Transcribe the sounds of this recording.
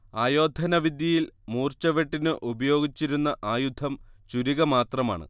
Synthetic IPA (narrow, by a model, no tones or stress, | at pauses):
aːjo̞ːd̪ʱɐnɐʋid̪jɐjilmuːrt͡ɕɐʋeʈːinɨʔubɐjo̞ːɡit͡ɕːiɾunːɐʔaːjud̪ʱɐmt͡ɕuɾiɣɐmaːt̪rɐma̰ːɳɨ̰